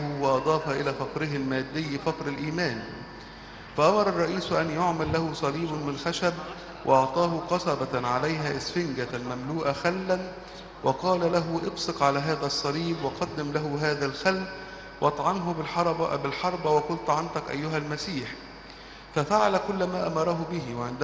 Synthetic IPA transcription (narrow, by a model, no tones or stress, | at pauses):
wɑʔɑd̪ˤɑːfɑʔɪlæːfɑqɾɪɦɪlmæːd̪ːɪjːfɑqɾɪlʔiːmæːn | fæʔɑmɑɾˤɑrˤːɑʔiːsʔænjoʕmælːæhʊsˤɑliːbmɪnxæʃæb | wʔɑ̰ʔɑʕt̪ˤɑːɦʊqɑsˤɑbɑʕalajɦæʔɪsfɪŋɡælmæmluːʔæxalːæn | wɑqɑːlalæɦʊʔɪbsɨqʕalæːɦæːðæsˤːɑliːbwɑqɑd̪ːɪmlæɦʊɦaːðælxalː | wʔɑt̪ˤʕɑnɦʊɪˤbɪlħɑɾˤbɑwɑqʊlt̪ʕant̪ɑkʔæ̰jːʊɦælmæsiːħ | fæfaʕalkʊlːmaːʔamɑɾˤɑɦʊbɪɦɪwʕɪnd̪